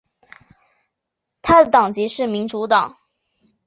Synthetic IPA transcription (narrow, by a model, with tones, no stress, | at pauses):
t̪ʰa˥d̪ə˨t̪ɑ˨˩ŋt͡ɕi˧˥ʂɻ̩˥˩mi˧˥nʈ͡ʂu˧˥t̪ɑ˨˩˦ŋ